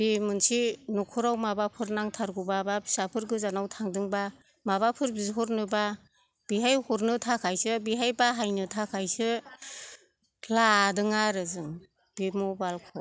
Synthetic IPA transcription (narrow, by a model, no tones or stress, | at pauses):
bimɯnsinukʰɔɾawmabapʰɯɾnaŋtʰaɾɡubababisapʰɯɾɡɯzanawtʰaŋdɯŋba | maβapʰɯɾbizɦɔɾnɯba | b̥iɦajhɔɾnɯtʰakʰajsɯbiɦajbaɦajnɯtʰakʰajsɯ | ladɯŋaɾɯzɯŋ | b̥imubalkʰɔ